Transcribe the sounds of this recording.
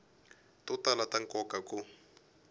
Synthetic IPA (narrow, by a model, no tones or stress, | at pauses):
tʼɔtalataŋkɔkʼakʼʊ